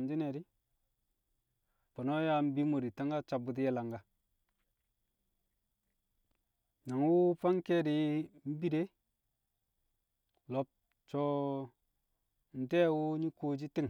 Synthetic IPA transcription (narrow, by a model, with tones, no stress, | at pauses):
m˨d͡ʒi˦ne˨ɾi˦ | po˨no˦ja˦m̩˦bi˦mo˨ɾi˨ta˦ŋɡa˦t͡ʃa˨bu˨ti˦je˦la˨ŋɡa˨ | na˨ŋwu˦pa˦ŋke˦di˨m̩˦bi˦de˦ | lo˨˦p̚ | t͡ʃo˦ | n̩˨de˦wu˦ɲi˦ko˦d͡ʒi˦ti˦ŋ˨